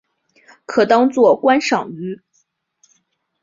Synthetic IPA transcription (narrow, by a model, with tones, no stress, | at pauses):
kʰɤ˨˩t̪ɑ˥ŋt͡swɔ˥˩kwa˥nʂɑ˨˩ŋy˧˥